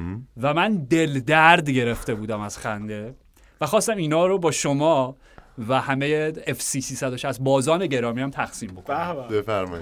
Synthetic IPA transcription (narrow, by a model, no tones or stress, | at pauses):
væmænd̪e̞ld̪æɾd̪ɟe̞ɾe̞ft̪e̞buːd̪æmæz̥xænd̪e̞ | væxɒːst̪æmiːnɒːɾobɒːʃomɒː | væhæme̞jeefsiːsiːsæd̪oʃæzbɒːzɒːne̞ɟe̞ɾɒːmiːæmt̪ʰæxsiːmbokobefæɾmɒ̰i